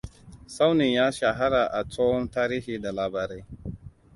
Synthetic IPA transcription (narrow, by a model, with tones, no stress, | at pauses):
sa˦wni˨jaː˦ʃa˨ɦa˦ɾaː˨ʔa˨t͡sɔː˦wɔ˦ntaː˦ɾiː˦hiː˨da˨laː˨baː˨ɾe˦